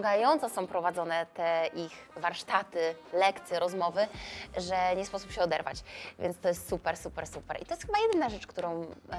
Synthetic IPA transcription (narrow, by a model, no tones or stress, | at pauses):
ɡajɔnt̪sɔsɔ̃w̃pɾɔvad̪zɔnɛt̪ɛʔix | vaɾʂt̪at̪ɘlɛkt̪sʲjɛɾɔzmɔvɘʐɛɲɛspɔsupɕɛɔd̪ɛɾva̰t͡ɕvʲjɛ̰ntst̪ɔjɛst̪supɛɾsupɛɾsupɛɾʔḭt̪ɔjɛst̪xɘbajɛd̪ɘnaʐɛt͡ʂkt̪uɾɔ̃w̃